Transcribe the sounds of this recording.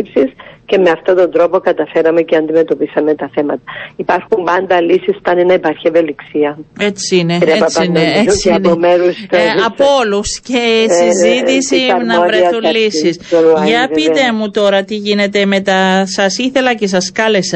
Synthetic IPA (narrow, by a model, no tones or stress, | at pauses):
ipsisce̞me̞ɐft̪ot̪o̞nd̪ɾo̞po̞kɐt̪ɐfe̞ɾɐmeceɐnd̪ime̞t̪o̞pisɐme̞t̪ɐθe̞mɐt̪ɐ̥ipɐɾxumbɐnd̪ɐlisiso̥t̪ɐnenɐepɐɾçieve̞liksiɐe̞t͡siineɾiɐeɐneesnomeɾust̪ɐpoluscesizit̪isinɐpɾesulisisʝɐpit̪e̞mut̪o̞ɾɐt̪iʝine̞t̪e̞me̞t̪ɐsɐsiθe̞lɐce̞s̬ɐskɐle̞sɐ